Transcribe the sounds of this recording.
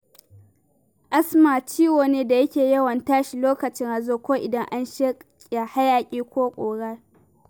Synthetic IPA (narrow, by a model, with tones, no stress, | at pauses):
ʔa˦smaː˨t͡ʃiː˦woː˨neː˦da˨jɐ˦kʲeː˨jɐ˦wɐ˨ntaː˦ʃi˨loː˦kɐ˨t͡ʃɪ˦ŋʔa˨zoː˦˨kʷoː˦ʔɪ˨dɐ˦ŋʔa˦nʃɐ˦kʲʼːa˨ha˦jaː˨kʲʼiː˦kʷoː˦kʷʼoː˨ɽaː˦